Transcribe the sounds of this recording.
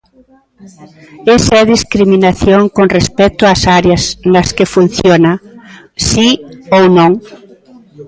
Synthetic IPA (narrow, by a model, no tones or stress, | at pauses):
esaɛðiskɾiminaθjoŋkonrespɛt̪ʊasaɾjasnaskefun̟θjona | siownõŋ